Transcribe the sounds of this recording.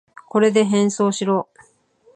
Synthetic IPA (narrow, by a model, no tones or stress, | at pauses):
ko̞ɾe̞d̪e̞ɦẽ̞ɰ̃so̞ːɕiɾo̞ː